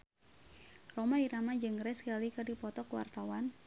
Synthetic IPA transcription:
romaiɾamad͡ʒɨŋɾɛskəlikɨrdipɔt̪ɔkwa̰rt̪awan

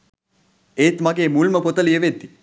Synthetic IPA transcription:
et̪maɡeːmulməpot̪əlijəʋed̪ːi

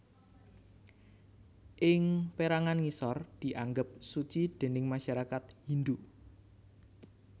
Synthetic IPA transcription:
ʔɪŋpeɾaŋanŋisɔrd̪̥i̤ʔaŋɡəp̚sut͡ʃid̪̥e̤nɪŋmaʃaɾakat̪̚hind̪u

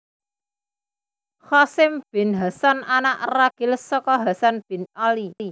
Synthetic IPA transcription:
xɔsɪmb̥ɪ̤nɦasananaʔraɡ̥ɪ̤lsɔkɔɦasanb̥ɪ̤nalii

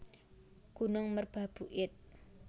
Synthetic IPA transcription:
ɡ̥unʊŋmərb̥a̤b̥uʔɪt̪̚

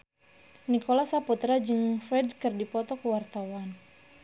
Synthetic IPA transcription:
nikolasaput̪ɾad͡ʒɨŋfɾɛdkɨrdipɔt̪ɔkəwart̪awan

